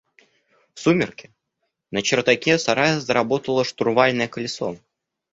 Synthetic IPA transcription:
fsumʲɪrkʲɪ̥ | nət͡ɕɪrt̪akʲɛsaɾajəzəɾabot̪əlˠəʂt̪ʊɾvalʲnɨjəkəlʲɪso̰

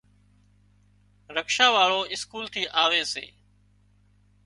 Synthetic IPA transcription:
ɾəkʃaːʋaːɭoːɪskuːlt̪ʰiːʔaːʋeːsḛː

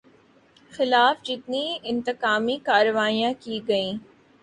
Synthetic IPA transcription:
xɪlaːfd͡ʒɪt̪niɪ̃nt̪ɪkaːmikaːɾəʋaːijãkiɡɐĩː

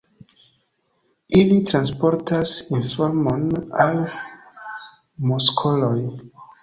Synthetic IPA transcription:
ilitɾanspo̞ɾtasinfoɾmo̞nal | moskʰo̞loj

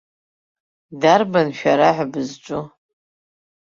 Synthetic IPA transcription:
darbanʃᶣaɾaʕʷabɨzt͡ʃʷʼʊ

